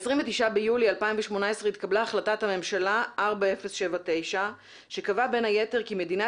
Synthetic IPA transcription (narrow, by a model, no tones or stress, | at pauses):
sʁiɱvet̪iʃabejulialpaiɱveʃmo̞nae̞sʁeit̪̚kablaːχlatathame̞mʃalaʔaʁbae̞fesʃevate̞jʃa | ʃe̞kavabe̞naje̞te̞ʁkime̞dina